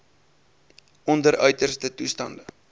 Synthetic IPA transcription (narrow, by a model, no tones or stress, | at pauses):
ɔndəɾœɥtərstətustɐndə